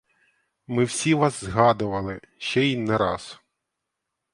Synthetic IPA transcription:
mɪwsʲiʋɑzzɦɑd̪ʊʋɐlˠɪ | ʃt͡ʃɛinːɛɾɑs

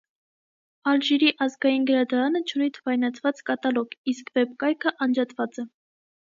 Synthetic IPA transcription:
ɑlʒiɾiʔɑzɡɑjinɡəɾɑd̪ɑɾɑnət͡ʃʰunit̪ʰvɑjnɑt͡sʰvɑt͡skɑt̪ɑlɔɡiskvɛpkɑjkʰəʔɑnd͡ʒɑt̪vɑt͡sɛ

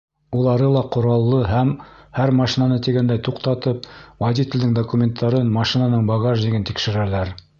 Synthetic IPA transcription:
ulˠɑɾɤlˠɑqŏɾɑlˠːɤɦæmhæɾmɑʃinɑnɤt̪iɡænd̪æjt̪uqt̪ɑt̪ɤp̚wɐd̪ʲit̪ʲɪ̆lʲd̪ɘŋd̪okumʲent̪ʰːɑɾɤnmɑʃinɑnɤɴbɑɡaʒĭɡɘnt̪ikʃɘ̆ɾælæɾ

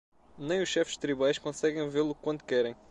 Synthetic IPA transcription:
nẽj̃uʃːɛfʒ̥t̪ɾiβajʃkõsɛɣẽj̃veɾlˠukwɐ̃nt̪u̥kɛɾẽj̃

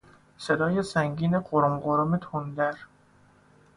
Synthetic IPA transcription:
sed̪ɒːjesæŋɡiːneɢoɾomɢoɾomet̪ʰond̪æɾ

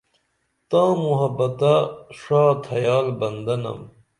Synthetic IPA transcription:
t̪ãːmuɦɐbːɐt̪aʂaːt̪ʰɐjaːlbɐnd̪ɐnɐ̰m

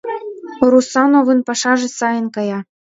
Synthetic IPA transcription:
ɾusɑnovɤnpɑʃɑʒĕsɑjɤ̆nkɑjɑ

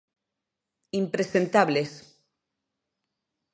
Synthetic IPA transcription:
impɾesent̪aβles

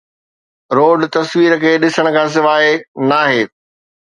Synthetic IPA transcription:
ɾoːɖt̪ɐsʋiːɾəkʰeːɗɪsəɽ̃ə̆kʰãːs̬ɪʋaːenaːɦeː

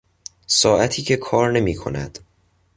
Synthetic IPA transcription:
sɒːʔæt̪ʰiːcʰe̞kʰɒːɾne̞miːkʰo̞̰næ̰d̪̥

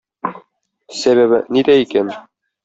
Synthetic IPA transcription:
sæβæβɘ̰nid̪æikæn

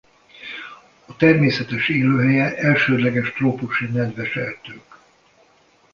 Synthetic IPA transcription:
ɒt̪ɛrmeːsɛt̪ɛʃeːløːɦɛjɛʔɛlʃøːd̪lɛɡɛʃt̪roːpuʃinɛd̪ʋɛʃɛrt̪øːk

